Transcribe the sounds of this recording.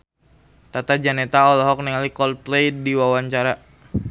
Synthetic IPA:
t̪at̪ad͡ʒanɛt̪aɔlɔɦɔk̚niŋalikɔlplejdiwawaɲt͡ʃaɾa

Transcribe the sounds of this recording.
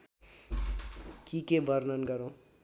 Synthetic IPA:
kikebʱʌɾnʌnɡʌɾõ

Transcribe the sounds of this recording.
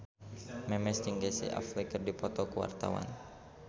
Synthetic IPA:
mɛmɛst̪iŋɡesḭʔa̰flikɨrdipɔt̪ɔkuwa̰rt̪a̰wa̰n

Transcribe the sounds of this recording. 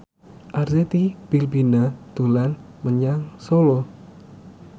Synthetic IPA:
ʔarzet̪ib̥ilbinat̪ulan | məɲaŋsolo

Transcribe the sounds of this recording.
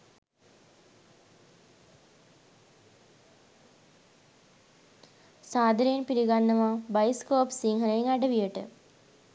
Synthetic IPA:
saːd̪ʱɾejnpiɾiɡanːəʋabajskoːpsiŋɦənəiŋaɖəʋijəʈə̰

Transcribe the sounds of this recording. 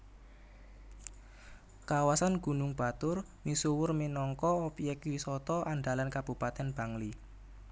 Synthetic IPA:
kawasanɡ̥ṳnʊŋb̥a̤t̪ʊr | misuwʊrminɔŋkɔopiɛkwisɔt̪ɔʔaɳɖa̤lankab̥ṳpat̪ɛnb̥a̤ŋli

